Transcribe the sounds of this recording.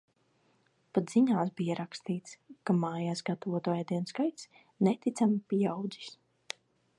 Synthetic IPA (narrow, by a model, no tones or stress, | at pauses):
pat̪ziɲaːs̬bijaɾakst̪iːt̪skamaːjaːsɡat̪avɔt̪ɔjad̪iɛnskajt̪s | nɛt̪it̪samipijawd̪zi̥s